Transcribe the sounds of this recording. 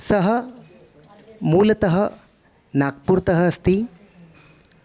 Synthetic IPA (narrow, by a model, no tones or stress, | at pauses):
sɐɦɐ | muːlɐt̪ɐɦɐ | naːk̚puɾt̪ɐɦɐɐst̪i